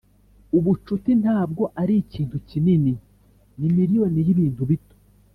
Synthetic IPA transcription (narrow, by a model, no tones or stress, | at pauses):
uβut͡ʃutin̥haːb̚ɡo̞ʔaɾiːciːntucinini | nimiɾijo̞nijiβiːntuβito